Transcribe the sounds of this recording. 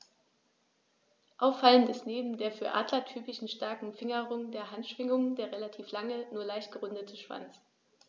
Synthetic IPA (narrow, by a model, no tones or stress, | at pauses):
ʔaʊfːaləntɪstneːbm̩deːɐfyːɐʔa̰ːdlɐtʰyːpɪʃn̩ʃtaɐkŋ̩fɪŋɐʁʊŋdeːɐɦantʃv̥ɪŋʊŋdeːɐʁelatʰiːflaŋənuːɐlaɪçtɡ̥əʁʊndətʰəʃv̥a̰nt͡s